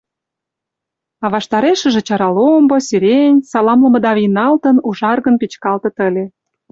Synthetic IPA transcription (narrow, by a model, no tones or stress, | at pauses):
ɑβɑʃt̪ɑɾeʃə̆ʒĕt͡ɕɑɾɑlombosyɾenʲsɑlɑmlə̆mə̆d̪ɑβijnɑlt̪ə̆nuʒɑrɣənpit͡ɕkɑlt̪ɤ̆t̪ə̆lʲe